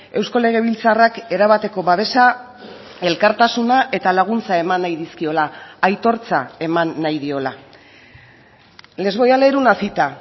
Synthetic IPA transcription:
e̞wsko̞le̞ɣ̞e̞β̞ilt͡sarake̞ɾaβat̪e̞ko̞βaβe̞sa | e̞lkaɾt̪asunaʔe̞t̪alaɣ̞unt͡sae̞manːajðiskio̞laːjt̪o̞ɾt͡sae̞manːajðio̞la | le̞zβo̞jale̞ɾunasit̪a

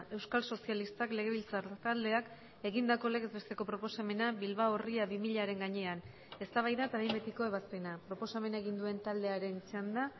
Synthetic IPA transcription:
e̞wskalso̞sialist̪akle̞ɣe̞β̞ilt͡sat̪ald̪e̞ak | e̞ɣind̪ako̞le̞ɣezβe̞st̪e̞ko̞pɾo̞po̞same̞naβilβaoriaβimiʎaɾe̞ŋɡaɲe̞an | e̞st̪aβ̞ajðat̪aβejmbe̞t̪iko̞e̞βaspe̞napɾo̞po̞same̞naeɣ̞ind̪ue̞nt̪ald̪e̞aɾe̞nisand̪a

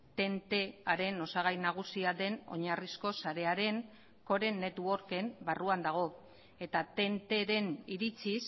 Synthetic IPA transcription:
t̪e̞nt̪e̞aɾe̞no̞saɣ̞ajnaɣ̞usiad̪e̞no̞̰ɲarisko̞saɾe̞aɾe̞ŋ | ko̞ɾe̞nːe̞t̪uo̞ɾke̞mbaruand̪aɣ̞o̞ | e̞t̪at̪e̞nt̪e̞ɾe̞niɾit͡sis

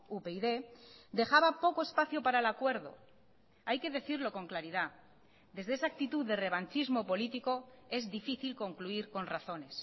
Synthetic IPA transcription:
upeiðe̞d̪e̞xaβapo̞ko̞e̞spaθjopaɾaelakwe̞ɾðo̞̰ | ajke̞ðe̞θiɾlo̞ko̞ŋklaɾiða | d̪e̞zðeesaːk̚t̪it̪uððːe̞re̞β̞ant͡ʃizmo̞po̞lit̪iko̞e̞zðifiθilko̞ŋkluiɾko̞nraθo̞ne̞s

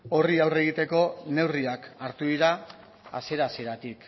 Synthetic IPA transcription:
o̞riawre̞ɣ̞it̪e̞ko̞ne̞wriakaɾt̪uðiɾa | a̰se̞ɾaseɾat̪ik

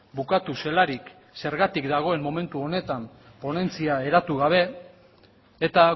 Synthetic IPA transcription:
bukat̪use̞laɾik | se̞ɾɣat̪ikd̪aɣ̞o̞e̞mmːo̞me̞nt̪uo̞ne̞t̪am | po̞ne̞nt͡siae̞ɾat̪uɣ̞aβ̞e̞ | t̪a

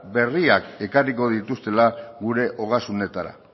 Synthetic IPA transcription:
be̞riake̞kariko̞ðit̪ust̪e̞laɣuɾe̞ʔo̞ɣasune̞t̪aɾa̰

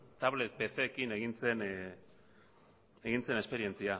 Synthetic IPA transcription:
t̪aβle̞t̪̚pe̞θe̞kine̞ɣint͡se̞n | e̞ɣint͡se̞ne̞spe̞ɾie̞nt͡sia

